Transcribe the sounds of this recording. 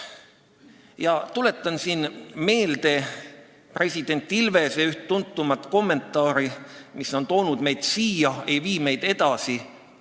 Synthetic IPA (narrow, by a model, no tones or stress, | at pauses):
jɑt̪ule̞t̪ːˑɑnsiːnme̞ːld̪̥e̞ | pre̞sʲid̪̥e̞nʲt̪ːˑilve̞seyht̪t̪ːunt̪ːumɑt̪ˑko̞mːe̞nt̪ːˑɑːɾimisːo̞nt̪o̞wnud̪me̞jd̪̥siːjɑe̞jviːme̞jd̪̥e̞d̪̥ɑsi